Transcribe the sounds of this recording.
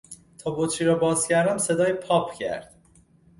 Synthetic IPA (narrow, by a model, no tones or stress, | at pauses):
t̪ʰɒːbot̪ʰɾiːɾɒːbɒːz̥cʰæɾd̪æmse̞d̪ɒːjpʰɒːpʰcʰæ̰ɾd̪̥